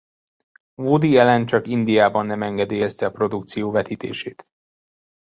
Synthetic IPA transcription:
voːd̪iɛlɛnt͡ʃɒkind̪ijaːbɒnːɛmɛŋɡɛd̪eːjɛst̪ɛɒpro̞d̪ukt̪sijoːvɛt̪iːt̪ḛːʃeːt̪

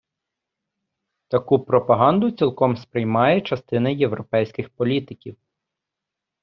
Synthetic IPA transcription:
t̪ɐkupɾɔpɐɦɑnd̪ʊt͡sʲilˠkɔmspɾɪjmɑjɛt͡ʃɐst̪ɪnɐjewɾɔpɛjsʲkɪxpɔlʲit̪ɪkʲiw

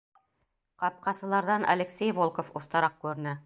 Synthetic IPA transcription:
qɑp̚qɑsɤ̆lˠɑɾðɑnʔɐ̰lʲɘ̆ksʲejvolˠkofŏθt̪ɑɾɑq̚kʉɾ̆nɘ

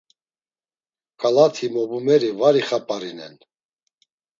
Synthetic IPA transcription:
kʼalat̪ʰimɔbumɛɾivaɾiχapʼaɾinɛ̰n

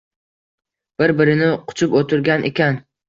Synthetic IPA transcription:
b̥ɪɾbɪɾɪnɪqʰʊ̥t͡ʃʰʊpot̪ʰʊɾɡʲanʔḛkʲan

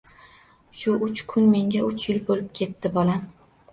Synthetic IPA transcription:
ʃʊʔʊt͡ʃkʰʊnme̞ŋʲaʊt͡ʃʰjɪlbolɪp̚kʲʰe̞t̪ːɪbɒla

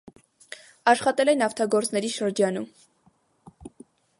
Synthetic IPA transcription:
ɑʃχɑt̪ɛlɛnɑft̪ʰɑɡɔɾt͡snɛɾiʃəɾd͡ʒɑnum

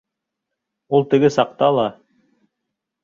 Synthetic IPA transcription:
ulˠt̪ɘ̆ɡɘsɑq̚t̪ɑlˠɑ

